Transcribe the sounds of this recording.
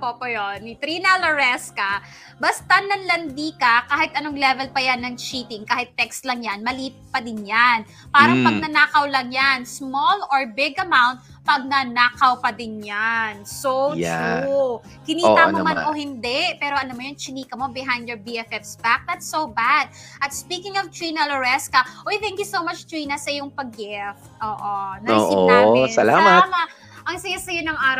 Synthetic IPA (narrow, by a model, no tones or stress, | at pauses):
popojonːit̪ɾinɐloɹɛskɐ | bɐst̪anɐnlɐnd̪iːkɐkaːhɪt̪̚ʔɐnoŋlɛvɛlpɐjanːɐŋt͡ʃiːt̪ɪŋkaːhɪt̪ːɛkst̪lɐŋjanmɐliːppɐd̪ɪnjan | paːɾɐŋpɐɡ̚nɐnaːkɐwlɐŋjansmoloɹbɪɡɐmawnt̪̚ | pɐɡ̚nɐnaːkɐwpɐd̪ɪnjansowja̰u | kɪniːt̪ːɐnɐmanʔohɪnd̪ɛʔpɛːɾo̞ʔɐnomɐjont͡ʃɪniːkɐmobɪɦãjnd̪joɹbiɛfɛfsbak̚d̪ɐt̪sowbad̪̚ʔɐt̪spiːkɪŋɔvt̪ɹinɐloɹɛskɐʔojθɛ̃ŋkjusowmɐt͡ʃt̪ɹiːnɐsɐʔɪjʊŋpɐɡɪft̪̚ʔoːʔonɐːsɪoaɪsɐlaːmamɐ | ʔɐŋsɐjasɐjonɐŋʔaːɾɐ